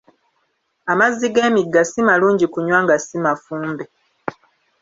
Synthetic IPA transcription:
amazːiɡe̞ːmiɡːasimaluːɲɟikuɲwaːŋɡasimafuːmbe

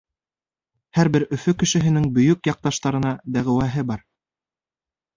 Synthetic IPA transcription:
hæɾbɘɾɵ̆fɵkɘ̆ʃɘ̆ɦɘ̆nɘŋbɵ̆jɵkjɑq̚t̪ɑʃt̪ɑɾɤ̆nɑd̪æʁɘ̆wæɦɘbɑɾ

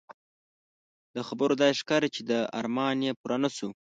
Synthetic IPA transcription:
d̪əxabəɾod̪ɑjeʂkɑɾit͡ʃed̪əa̰ɾmɑnjepuɾanasu

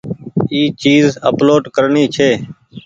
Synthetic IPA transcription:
iːt͡ʃiːzə̰ploːɖkəɾɳiːt͡ʃʰeː

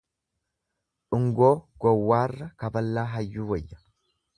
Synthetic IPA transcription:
ᶑʊŋɡoːɡ̥ɔwːaːrːɐkɐbɐlːaːɦɐjːuːwɐjːɐ̥

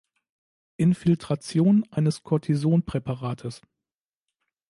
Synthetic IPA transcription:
ʔɪnfɪltʁ̥at͡sjoːnʔaɪnəskʰɔɐtʰizoːnpʁ̥ɛpʰaʁaːtʰəs

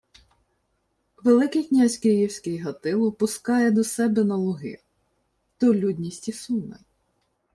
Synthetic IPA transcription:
ʋelˠɪkɪjknʲazʲkɪjiwsʲkɪjɦɐt̪ɪlˠɔpʊskɑjɛd̪ɔsɛbɛnɐlˠɔɦɪ̰ | t̪ɔlʲudʲnʲisʲtʲisunɐ̰

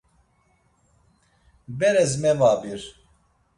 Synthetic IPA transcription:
bɛɾɛzmɛvaːbiɾ

